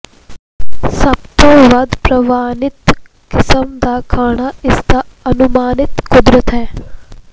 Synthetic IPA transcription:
sɐbt̪õʋɐd̪pɾɐʋaːnɪt̪ | kɪsəmd̪aːkʰaːɳaɪsd̪aɐnumaːnɪt̪kʊd̪ɾət̪ɦɛː

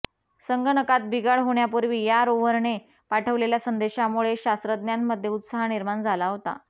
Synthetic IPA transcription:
səŋɡənəkat̪̚bʱiɡaɭɦoɳjapuɾʋiːjaɾoʋəɾɳe | paʈʰəʋleljasənd̪eɕamuɭeɕast̪ɾəd̪njamːəd̪ʱːjeut̪saɦaniɾmand͡zʱalaɦot̪a̰

